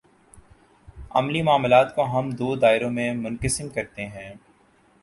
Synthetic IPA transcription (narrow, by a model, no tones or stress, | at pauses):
ɐ̰mlimaːmlaːt̪koɦɐmd̪oːd̪aːɪɾõmẽmʊnkəsɪmkɐɾt̪eɦɛ̃ː